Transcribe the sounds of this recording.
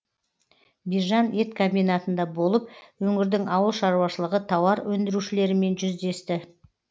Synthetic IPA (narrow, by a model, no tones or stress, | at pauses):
biʒɑne̞t̪kʰombijnat̪ənd̪ɑbo̞lˠəp̚wɵŋɪɾd̪ɪŋɑwəlˠʃɑɾuwɑʃəlˠəʁət̪ʰɑwɑɾwɵnd̪ɪɾuʃɪle̞ɾɪme̞nʒʏzd̪e̞st̪ɪ